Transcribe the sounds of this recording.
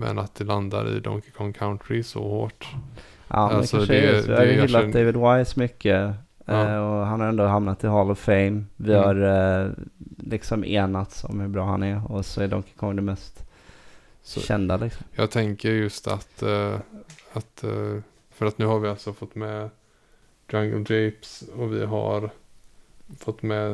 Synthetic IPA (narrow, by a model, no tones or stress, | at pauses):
mɛ̰nat̪̚d̪ɛland̪a̰ɾɪ̰d̪ɔ̰ŋkɪkʰɔŋkʰaʊnt̪ɾɪsɔ̰hoːʈ | ʔɑ̰ːdalɛksɔaɛvɪhaɾjɪlːat̪̚d̪eɪvɪd̪wajsɔmʏkʰːə | ɔɦanhaɾɛnd̪oːɦamnat̪ʰːɪɦɑlɔfɛɪmvɪhaɾ | lɪksɔmḛːnat̪sɔ̰mhɵbɾɑːha̰nɛɾɔsɔæɖɔmkʰakʰɔmːəd̪ɛmɛst̪ | ʃɛ̰nd̪alɪksɔmjɑːɡt̪ʰɛŋkəɾjɵst̪a̰t̪ | at̪ | fœɾat̪nʉ̟ːhaɾvɪalt̪sɔfɔt̪ːmɛ | d̪̥ɾaŋɡəld̪ɾɛpsɔvɪ̰ɦa̰ɾ | fɔt̪ːmɛ